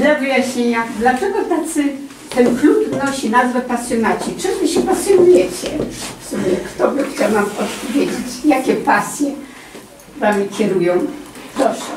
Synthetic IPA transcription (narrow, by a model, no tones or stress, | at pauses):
ɛvɘjaɕɲeɲad̪lat͡ʂɛɡɔt̪at̪sɘ | t̪ɛnklupnɔɕinazvɛpasʲjɔnat͡ɕit͡ʂɨvɘɕɛpasʲjɔnujɛt͡ɕɛfsumʲɛkt̪ɔbɘxt͡ɕawnamɔt̪̚pɔvʲjed͡ʑet͡ɕjakʲɛpasʲjɛ | uvamʲikʲɛɾujɔ̃w̃d̪ɔʂɛ